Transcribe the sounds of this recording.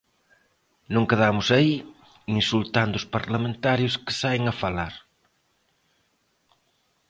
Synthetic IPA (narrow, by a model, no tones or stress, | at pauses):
nõŋkeðamʊsai | insult̪and̪ʊspaɾlamẽnt̪aɾjʊskɪ̥sajŋɐfalaɾ